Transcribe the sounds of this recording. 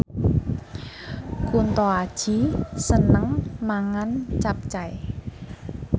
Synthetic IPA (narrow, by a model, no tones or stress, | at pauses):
kunt̪ɔad̥ʒ̥i̤sənəŋmaŋant͡ʃap̚t͡ʃaj